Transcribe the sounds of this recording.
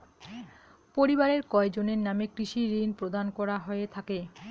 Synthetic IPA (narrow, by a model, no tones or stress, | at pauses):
poɾibaɾeɾkɔed͡ʑoneɾnamekɾiʃiɾinpɾod̪ankɔɾaɦɔet̪ʰake